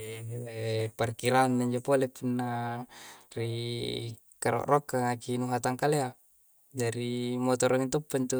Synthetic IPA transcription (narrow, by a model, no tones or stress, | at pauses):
leparkiɾanːaɲd͡ʒopolepunːa | ri | kaɾɔ̰ʔrɔkːaŋakinuɦat̪aŋkalea | d͡ʒaɾimot̪ɔɾoint̪upːant̪u